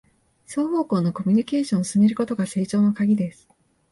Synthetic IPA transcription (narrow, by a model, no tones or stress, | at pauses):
so̞ːho̞ːko̞ːno̞ko̞mʲiɲ̟ike̞ːɕõɰ̃osɨneɾɯ̟ko̞t̪o̞ɡase̞ːt͡ɕo̞ːno̞kaɡʲid̪e̞sɨ̥